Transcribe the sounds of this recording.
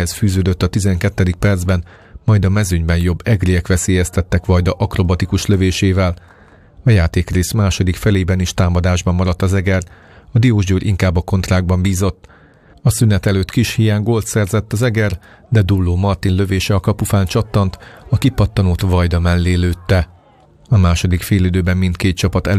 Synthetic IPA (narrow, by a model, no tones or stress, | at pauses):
hɛsfyːzøːd̪øt̪ːɒt̪izɛŋkɛt̪ːɛd̪ik̚pɛrd̪zbɛn | mɒjd̪ɒmɛzyɲbɛnjo̞bːɛɡrijɛkʋɛseːjɛst̪ɛt̪ːɛkʋɒjd̪ɒʔɒkro̞bɒt̪ikuʃløveːʃeːvɛl | ɒjaːt̪eːkreːsmaːʃo̞d̪ikfɛleːbɛniʃt̪aːmɒd̪aːʒbɒmːɒɾɒt̪ːɒzɛɡɛr | ɒd̪ijoːʒd͡ʒøːɾʔiŋkaːbːɒko̞nt̪raːɡ̚bɒmbiːzo̞t̪ː | ɒsynɛt̪ɛløːt̪kiʃhijaːŋɡo̞lt̪sɛrzɛt̪ːɒzɛɡɛr | d̪ɛd̪ulːoːmɒrt̪inlø̞veːʃɛɒkɒpufaːnt͡ʃɒt̪ːɒnt̪ɒkipɒt̪ːɒnoːt̪vɒjd̪ɒmɛlːeːløːt̪ːɛ | ɒmaːʃo̞d̪ikfeːlyd̪øːbɛmːint̪keːt̪t͡ʃɒpɒt̪ɛ